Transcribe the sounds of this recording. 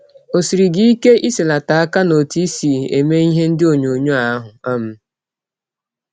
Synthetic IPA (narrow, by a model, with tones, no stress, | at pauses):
o˨si˨ɾi˨ɡi˦i˦ke˦ʔi˦se˨la˨ta˨a˦ka˦no˨ti˦si˨e˨me˦i˦ɦe˦n̩˦dɪ˦o˨ɲo˨ɲo˦a˦ɦʊ˨a˦m̩˦